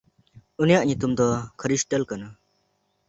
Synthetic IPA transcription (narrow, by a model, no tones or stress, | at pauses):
unijaʔɲut̪umd̪ɔkʰəɾisʈəlkana